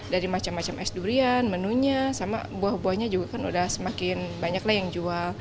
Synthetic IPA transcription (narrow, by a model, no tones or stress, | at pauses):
daɾimat͡ʃamːat͡ʃamɛsduɾianmənuɲasama̰buahbuahɲad͡ʒuɡakanṵdahsəmakɪnbaɲaklahjaŋd͡ʒual